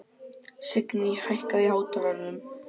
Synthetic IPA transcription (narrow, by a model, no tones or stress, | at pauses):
sɪknihajhkaðɪhaːwt̪aɾaɾnʏm